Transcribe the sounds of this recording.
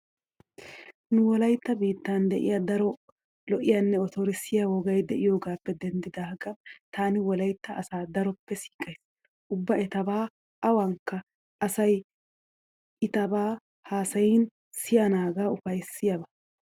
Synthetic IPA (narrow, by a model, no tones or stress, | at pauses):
nʊwɔlɐjt̪ːɐbiːt̪ːand̪ɛʔɪ̰jɐd̪ɐɾɔ | lɔʔɪjɐnːɛɔt̪ɔɾɪsɪjɐwɔɡɐjd̪ɛʔɪjoːɡaːpːɛd̪ɛnd̪ɪd̪aːɡɐt̪aːnɪwɔlɐjt̪ːɐʔɐsaːd̪ɐɾɔpːɛsi̥ːkʼɐjs | ʔʊbːɐɛt̪ɐbaː | ʔɐwɐŋkːɐ | ʔɐsɐj | ɪt̪ɐbaː | haːsɐjɪn | sɪjɐnaːɡaːʊfɐjsɪjɐbɐ